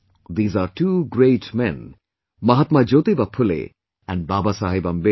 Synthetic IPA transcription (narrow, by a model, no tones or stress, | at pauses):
ðiːzaɾʈʰuɡɹeɪtmɛ̃n | mʌɦat̪mad͡ʒot̪ibapʰʊlḛ | æ̃nbaːbasaːɦebãmbe